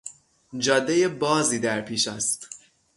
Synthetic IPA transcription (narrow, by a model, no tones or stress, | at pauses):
d͡ʒɒːd̪ːeje̞bɒːziːd̪æɾpʰiːʃæst̪